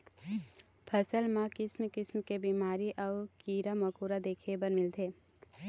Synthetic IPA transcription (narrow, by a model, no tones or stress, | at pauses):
pʰɐsəlmãkɪsmkɪsmkebiːmaːɾiʔɔkiːɾamɐkuːɾad̪eːkʰebəɾmɪlt̪ʰeː